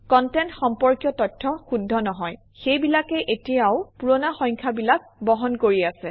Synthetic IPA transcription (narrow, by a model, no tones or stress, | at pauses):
kɔntɛntxɔmpɔɹkjɔtɔtʰːɔxudʱːɔnɔɦɔj | xejbilakɛʔetijaʊpuɹɔnaxɔj̃ŋkʰabilak̚bɔɦɔnkoɹiasɛ